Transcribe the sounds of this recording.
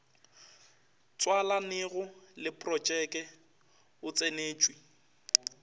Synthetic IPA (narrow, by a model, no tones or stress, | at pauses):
t͡sʼwalanɪɣʊlɪpʼrɔt͡ʃʼɛkʼɛ | ʊt͡sʼeneːt͡ʃʼwi